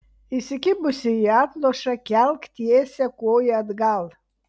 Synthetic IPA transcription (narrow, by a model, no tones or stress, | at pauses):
ɪsʲɪkʲɪbʊsʲɪiɑːt̪lˠoːʃɐkʲɛlˠkt̪ʲiɛsʲɛkoːjɛɐd̪ɡɐlˠ